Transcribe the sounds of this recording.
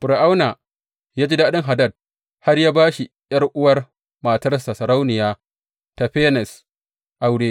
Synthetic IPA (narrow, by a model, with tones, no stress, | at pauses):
pʊ˨ɾʔa˦wna˨ | jaː˦d͡ʒiː˦daː˦ɗɪ˦ŋɦa˨dɐ˦d̚ | ha˦rjaː˦baː˦ʃi˨ | jɐ˦rʔʊ˦wɐ˦r | maː˨tɐ˦rsa˨sɐ˨ɾa˦wnɪ˨jaː˦ | ta˨ɸeː˦nɛ˨s | ʔa˨wdeː˦˨